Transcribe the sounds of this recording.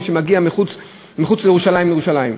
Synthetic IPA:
ʃemaɡiamiχut͡s | miχut͡slejeʁuʃalajimlejeuʃalajim

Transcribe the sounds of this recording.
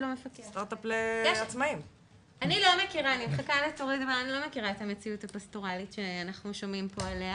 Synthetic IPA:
lomefakest̪aʁt̪apleeat͡smaim | anilo̞mekiʁaːnimeχakaletoʁid̪vaanilo̞mekiʁaetamet͡siutapastoʁalitʃeanaχnuʃo̞mimpoalea

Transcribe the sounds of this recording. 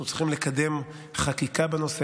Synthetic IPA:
utt͡sli̥χimlekad̪e̞m | χakikabeno̞se

